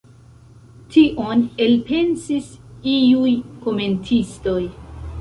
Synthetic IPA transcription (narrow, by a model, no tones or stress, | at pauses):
tʰiʔo̞ne̞lpe̞nsisiujko̞me̞ntʰisto̞j